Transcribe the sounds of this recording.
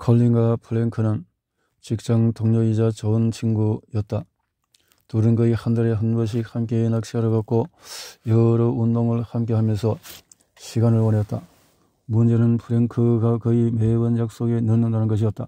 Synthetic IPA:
kʰʌʎːiŋɡapʰɯɾeŋkʰɯnɯn | t͡ɕik̚t͡ɕ͈aŋtoŋɲʌid͡ʑat͡ɕʌɯnt͡ɕʰiŋɡujʌt̚t͈a | toɾɯnɡʌihandaɾeɦɯnɡʌɕ̬ʰihamk͈eːnak̚ɕ͈ʰiaɾɯɡak͈ojʌɾʌundoŋɯɭhamk͈e̞ɦamjʌnsʰʌ | ɕʰiɡanɯɭwʌneʌt͈̚a | mund͡ʑe̞nɯnpʰuɾeŋkʰɯɡakʌime̞bɯnjak̚s͈oɡe̞nɯɭnɯndanɯnɡʌɕ̬ʰiʌt̚t͈a

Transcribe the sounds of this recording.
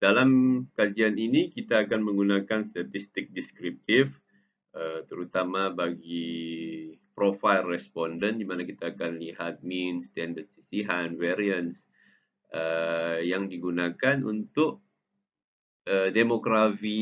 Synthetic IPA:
d̥alamkad͡ʒianinikit̪aːkanməŋɡunakanst̪at̪ist̪ɪk̚diskɾip̚t̪ɪf | ət̪əɾut̪amabaɡi | pɾofajlrɛspɔndəndimanakit̪aːkanliɦat̪̚minst̪ɛndəd̚sisiɦanwɛɾiəns | əjaŋdiɡunakanṵnt̪ʊʔ̚ | ədemokɾafi

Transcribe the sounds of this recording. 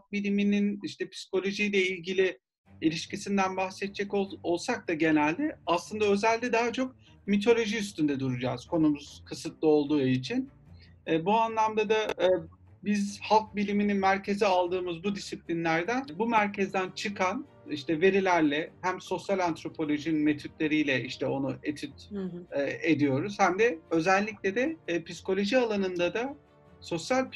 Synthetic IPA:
ak̚bilʲimininiʃt̪ɛpʰi̥si̥ko̞lʲo̞ʒijlʲɛilʲɟilʲi | ilʲiʃcisind̪ænbaxsɛt̪̚t͡ʃʰːɛkoo̞lˠsak̚t̪aɟe̞nælʲd̪ɛaslˠɯnd̪aø̞zælʲːd̪ɛd̪aɦat͡ʃʰo̞k̚ | mit̪ʰo̞lʲo̞ʒiys̬t̪ynd̪ɛd̪uɾud͡ʒaːz̥kʰo̞numuz̥kʰɯsɯt̪lˠɯo̞lˠd̪uːit͡ʃʰin | ɛːbuanlˠamd̪ad̪a | bizhalˠk̚bilʲimininmæɾcʰe̞zialˠd̪ɯːmɯzbud̪isiplʲinlʲæɾd̪ænbumæɾcʰezd̪ænt͡ʃʰɯkʰan | iʃt̪ʰɛve̞ɾilʲæɾlʲɛhæmso̞sjalʲant̪ɾo̞pʰo̞lʲo̞ʒinnme̞t̪ʰyt̪̚lʲe̞ɾijlʲɛiʃt̪ʰɛo̞nuet̪ʰyt̪ː | e̞d̪ijo̞ɾuz̥hæmd̪ɛø̞zælʲːicʲlʲɛd̪ɛpisko̞lʲo̞ʒialˠanɯnd̪ad̪a | so̞sjalʲ

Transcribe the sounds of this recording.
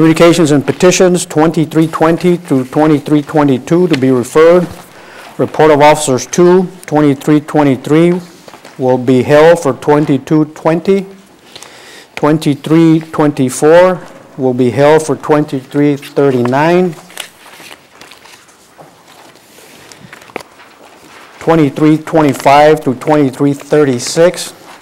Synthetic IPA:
kʰmjʉnɨkʰeɪʃɨ̃nzɨ̃npɨtʰɪʃɨ̃nz̥tʰw̥ɛ̃ntiθɹitʰw̥ɛ̃ntiθɹutʰw̥ɛ̃ɾ̃iθɹitʰw̥ɛ̃ñtitʰuɾɨbiɹɨfɜ˞d̚ | ɹɨpʰɔɹɾʌvɔfə̥sə˞z̥tʰutʰw̥ɛ̃ɾ̃iθɹitʰw̥ɛ̃ɾ̃iθɹi | wɪlˠbiɦɛlˠd̥fə˞tʰw̥ɛ̃ntitʰutʰw̥ɛ̃nti | tʰw̥ɛ̃ntiθɹitʰw̥ɛ̃ntifɔɹwɪlˠbiɦɛlˠd̥fə˞tʰw̥ɛ̃ntiθɹiθɜ˞ɾinãɪ̃n | tʰw̥ɛ̃ɾ̃iθɹitʰw̥ɛ̃ɾ̃ifaɪv̥θɹutʰw̥ɛ̃ɾ̃iθɹiθɜ˞ɾisɪks

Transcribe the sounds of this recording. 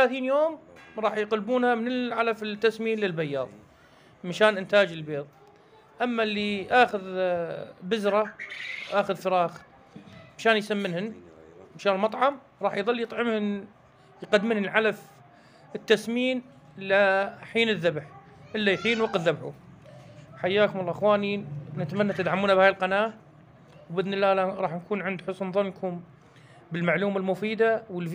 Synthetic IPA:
θalaːθiːnjoːmɾˤɑːħjqalbuːnhamɪnɪlʕalafɪt̪ːasmiːnlɪlbajːɑ̰ːðˤ | maʃaːnʔɪnt̪aːd͡ʒɪlbeːðˤ | ʔamːalːiʔaːxʊð | bɪzɾˤɑwʔaːxɪðfɪɾˤɑːx | maʃaːnjsamːɪnhɪnmaʃaːnmɑt̪ˤʕɑm | ɾˤɑːħjðˤɑlːjɨt̪ˤʕɪmhʊn | jqad̪ːmɪnhɪlʕalaf | ɪt̪ːasmiːn | laħiːnɪðːabħ | ʔɪlːajħiːnwɑqðːabħu | ħajːaːkʊmɑlˤːɑːʔxwaːninat̪manːat̪ɪd̪ʕamuːnabaːjɪlqɑnaːʔ | wbɪðnɪlːaːlaɾˤɑːħnkuːnʕɪnd̪ħʊsnðˤʊnːkʰʊm | bɪlmaʕluːmalmʊfiːd̪awəlf

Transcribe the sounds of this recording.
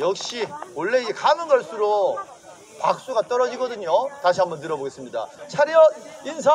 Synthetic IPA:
jʌk̚ɕ͈iwʌɭːe̞kamɯnɡʌɭs͈uɾo | pa̰k̚s͈uɡat͈ʌɾʌd͡ʑiɡʌdɯɲotaɕʰiambʌnt̬ɯɾʌboɡe̞s͈ɯmɲida̰t͡ɕʰaɾiʌins̬ʰa

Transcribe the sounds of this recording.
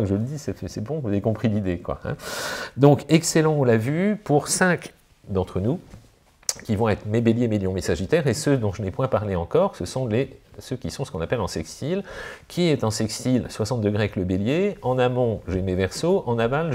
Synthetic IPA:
akʒələd̪isɛɛsɛbɔ̃vuzavekɔ̃pχilid̪ekwa̰ɛ̰̃d̪ɔ̃kɛkselɑ̃ɔ̃lavypuʁsɛ̃k | d̪ɑ̃t̪χənu | kʲivɔ̃ɛt̪χmebeljemeljɔ̃mesaʒit̪ɛʁesød̪ɔ̃ʒənɛpwɛ̃paʁleɑ̃kɔʁsəsɔ̃lesəkʲisɔ̃səkɔ̃napɛlɑ̃sɛkst̪ilkʲʰiɛt̪ɑ̃sɛkst̪ilswasɑ̃t̪̚d̪əɡʁeaɛkləbeljeɑ̃namɔ̃ʒemevɛʁsoʔɑ̃naval

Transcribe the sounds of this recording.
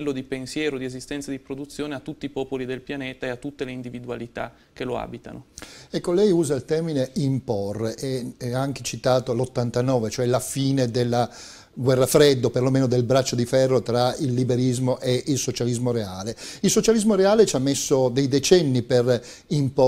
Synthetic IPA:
lːod̪ipensjɛːɾod̪iezist̪ɛnt̪sad̪ipɾod̪ut̪sjoːneat̪ːut̪ːiːpɔːpolid̪elpjaneːt̪aeat̪ːut̪ːeleind̪ivid̪ualit̪a̰ | kːeloa̰ːbit̪a̰noɛkːolɛjuːzailt̪ɛrmineimpɔrʔeaŋk̟e̥t͡ʃit̪aːt̪olot̪ːant̪anɔːvet͡ʃoɛlafiːned̪elːa | ɡwɛrːafɾed̪ːoperlomeːnod̪elbɾat͡ʃːod̪ifɛrːot̪ɾailːibeɾizmoʔeʔilsot͡ʃalizmoɾeaːleilsot͡ʃalizmoɾeaːlet͡ʃamːesːod̪ejd̪et͡ʃɛnːiper | impo

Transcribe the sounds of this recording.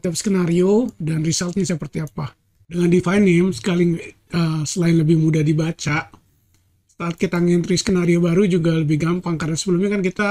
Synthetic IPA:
it̪apskənaɾiodanrisalt̪̚ɲasəpərt̪iapa | dəŋandifajnɛmsə̥kalɪŋ | əsəlaɪnləbɪhmudahdibat͡ʃaʔ | sə̥t̪aːt̪̚kit̪aŋɛnt̪ɾiskənaɾiobaɾud͡ʒuɡaləbɪhɡampaŋkarnasəbəlumɲakankit̪a

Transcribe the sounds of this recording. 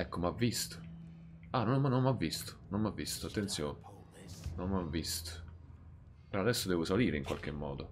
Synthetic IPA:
ɛkːomavːist̪o̥ | anɔmanːommavːist̪o̥nommavːist̪oat̪ːent̪sjoːn | nommavːist̪ | pɾɔad̪ɛsːod̪ɛːvʊsaliːɾeiŋkwalk̟emːɔ̰ːd̪o

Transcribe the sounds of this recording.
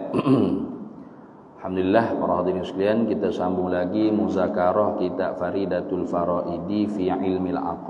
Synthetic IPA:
lħamd̪ulilːahpa̰ɾˤɑhd̪inisliankit̪asambʊŋlaɡimuzakaɾɔhkit̪a̰ʔfaɾidat̪ulfaɾaʔidifiʕɪlmala̰q

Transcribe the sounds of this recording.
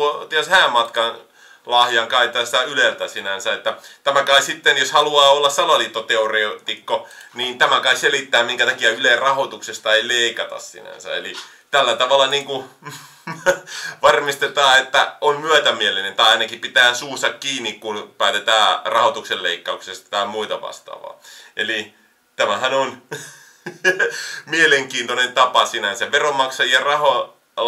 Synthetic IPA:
ot̪iæshæːmmɑt̪kɑn | lɑhjɑŋkɑit̪ːˑɑːsit̪æylelt̪æsinænsæet̪ːæt̪æmækɑissit̪ːenjoshɑluɑːolːɑssɑlɑliːt̪ːot̪eoreut̪ikːoniːnt̪æmækɑisselit̪ːæːmmiŋkæt̪ɑkiæylerɑhot̪uksest̪ɑeileikɑt̪ɑ̰ssḭnæ̰nsæ̰ḛli | t̪ælːæt̪ɑʋɑlːˑɑniːŋku | ʋɑrmist̪et̪ɑːet̪ːæ̰ommyæt̪æmielinent̪ɑiɑinɑkipit̪æːnsuːst̪ɑkkiːnːikkunpæːt̪et̪æːrɑhot̪ukselleikːɑuksest̪t̪æːmmuit̪ɑʋɑ̰st̪ɑ̰ːʋɑ̰ːʔeli | t̪æmæhænon | mieleŋkiːnt̪onent̪ɑpɑsinænsæʋʋeromɑksɑjiɑrɑho

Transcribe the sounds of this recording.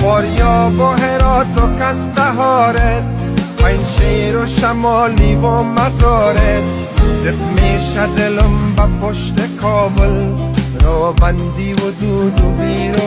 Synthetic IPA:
pɔːɾjɔːboɦeɾɔːt̪okand̪aɦɔːɾet̪̚ | pajnʃeːɾoʃamɔːlibomazːɾet̪̚ | d̪ɪt̪meːʃad̪ɪlʊmbapoʃt̪ekʰɔːbʊl | ɾɔːband̪iːwʊd̪uːd̪ʊbiːɾo

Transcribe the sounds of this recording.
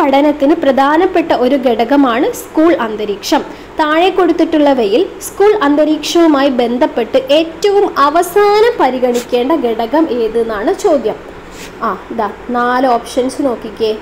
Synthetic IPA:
pɐɽɐnɐt̪ːinɨprɐd̪ʱaːnɐpːe̞ʈːɐʔo̞ɾuɡeɽɐɣɐmaːɳɨskuːɭɐnd̪ɐɾiːkʂɐm | t̪aːɻekːo̞ɽut̪ːiʈːuɭːɐʋejilskuːɭɐnd̪ɐɾiːkʂɐʋumaːjibe̞nd̪ʱɐpːe̞ʈːɨʔe̞ːtːɐʋumɐʋɐsaːnɐpɐɾiɣɐɳikʲːe̞ːɳɖɐɡeɽɐɣɐmʔeːðunːaːɳɨt͡ɕo̞ːd̪jɐm | aːd̪anaːlɨoːpʂɐnsɨno̞ːkːikʲːe

